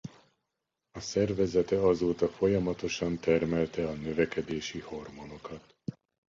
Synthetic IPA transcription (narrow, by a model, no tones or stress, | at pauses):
ɒsɛrvɛzɛt̪ɛɒzoːt̪ɒfo̞jɒmɒt̪o̞ʃɒnt̪ɛrmɛlt̪ɛɒnøvɛkɛd̪eːʃiho̞rmo̞no̞kɒt̪